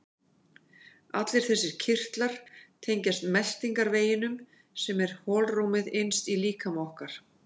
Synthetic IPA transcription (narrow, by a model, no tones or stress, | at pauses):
at̪lɪɾ̥θɛsːɪɾ̥cʰɪr̥t̪laɾ̥t̪ʰejɲcast̪mɛl̥t̪iŋkaɾveːjɪnʏm | sɛmɛɾ̥hɔːlrumɪðejnst̪iliːkʰamawhkaɾ̥